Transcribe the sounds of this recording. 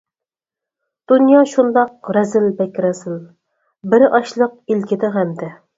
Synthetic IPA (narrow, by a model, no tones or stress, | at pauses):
d̪̥unjɑʃund̪ɑq̚ɾɛzɪlbɛkʲɾɛzɪl | bɪɾɪʔɑʃlˠəq̚ilkʲɪd̪ɪɦɛmd̪ɛ